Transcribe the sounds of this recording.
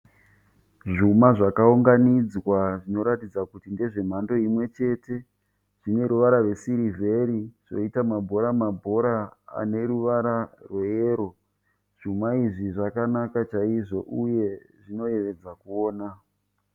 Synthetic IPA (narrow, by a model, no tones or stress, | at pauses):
ʐumaʐakauŋɡanid͡zwaʐino̞ɾatid͡zakutinde̞ʐe̞m̤ando̞imwe̞t͡ʃe̞te̞ | ʐ̥ine̞ɾuʋaɾarwe̞siɾivʱe̞ɾiʐ̥o̞̰itamabʱo̞ɾamabʱo̞ɾaa̰ne̞ɾuʋaɾarwejeːɾo̞ | ʐ̥umaiʐiʐakanakat͡ʃaiʐo̞ʔuje̞ | ʐino̞je̞ʋe̞d͡zakuoːna